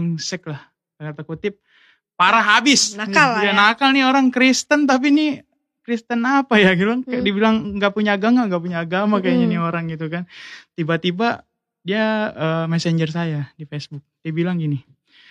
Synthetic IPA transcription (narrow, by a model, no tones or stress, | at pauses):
ŋsɛk̚lah | kat̪akut̪ɪp̚ | paɾaɦabɪsnaaljanakalnioɾaŋkɾist̪ənt̪̬ap̬ini | kɾist̪ənapajaɡilaŋkadiabilaŋŋɡaʔpuɲaːɡaŋaŋɡaʔpuɲaːɡamakajaɲanioɾaŋɡit̪ukant̪ibat̪iba | diaəmɛsɛɲd͡ʒərs̬ajadifesbʊk̚d̥iabilaŋɡini